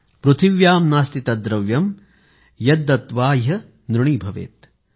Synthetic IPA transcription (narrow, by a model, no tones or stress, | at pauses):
pɾut̪ʰiʋjaːmnaːst̪it̪ɐd̪ɾɐʋjɐm | jɐd̪ɐt̪ʋaːjɦɐ | nɾuɳiːbʱɐʋḛːt̪̚